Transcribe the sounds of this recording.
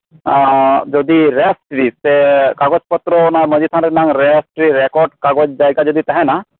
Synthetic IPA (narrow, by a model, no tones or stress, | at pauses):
d͡ʒɔd̪iɾesʈɾisekaɡɔd͡ʒpɔt̪ɾɔnaɾmɔd͡ʒit̪ʰanɛnaŋɾesʈɾiɾekɔɾɖkaɡɔd͡ʒd͡ʒajɡad͡ʒɔd̪it̪aɦɛ̃na